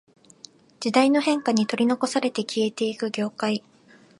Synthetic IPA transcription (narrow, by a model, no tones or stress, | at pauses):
d͡ʑid̪aino̞hẽ̞ŋkaɲ̟it̪o̞ɾʲino̞ko̞saɾe̞t̪ekʲie̞t̪e̞ikɯ̟ɡʲo̞ːkai